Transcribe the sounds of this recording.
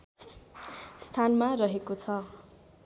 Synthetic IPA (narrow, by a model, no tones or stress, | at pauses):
st̪ʰanmarʌɦekot͡sʰʌ